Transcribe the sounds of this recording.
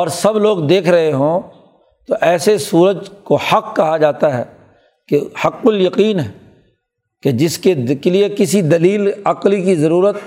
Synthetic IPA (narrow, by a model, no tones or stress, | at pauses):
ɔːɾsɐbloːɡd̪eːkʰɾɐɦeɦõː | t̪oʔɛːsesuːɾəd͡ʒkohɐqkɐɦad͡ʒaːt̪aɦɛ̰ː | kehɐqːʊljɐqiːnɦɛː | ked͡ʒɪskekeliekɪsid̪ɐliːlɐqlikizɐɾuːɾət̪̚